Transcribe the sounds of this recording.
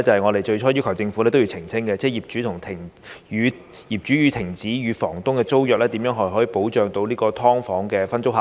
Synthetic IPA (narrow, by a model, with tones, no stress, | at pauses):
t͡sɐ˨˩hɐ˨jŋɔː˨˧t̪e˨jt͡ʃɵ˧ɥt͡ʃʰɔː˥jy˥kʰɐ˨˩wt͡sɪ˧ŋfu˨˥lɛ˥t̪jiː˧wt͡sʰɪ˨˩ŋt͡sʰɪ˥ŋkɛ˧t͡sɛː˥˩jiː˨˩p̚t͡ʃyː˨˥t̪ʰʊ˨˩ŋt̪ʰɪ˨˩ŋyː˨˧ | jiː˨˩p̚t͡ʃyː˨˥jyː˨˧t̪ʰɪ˨˩ŋt͡siː˨˥jyː˨˧fɔː˨˩ŋt̪ʊ˥ŋkɛː˧t͡so˥wjœː˨k̚lɛː˥t̪i˨˧˥mjœː˨˧˥ŋɦɔ˨˩ɦɔː˨˥ji˨po˨˥wt͡ʃœː˨ŋt̪o˧wliː˥kɔː˧t̪ʰɔː˥ŋfɔː˨˥ŋkɛː˧fɐ˥nt͡sʊ˥k̚haː˨